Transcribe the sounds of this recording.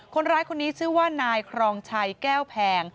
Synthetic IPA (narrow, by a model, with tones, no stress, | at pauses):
kʰo˧nɾaː˦˥jkʰo˧nːiː˦˥t͡ɕʰɯː˥˩waː˥˩naː˧jkʰɾɔː˧ŋt͡ɕʰa˧jkɛː˥˩wpʰɛː˧ŋ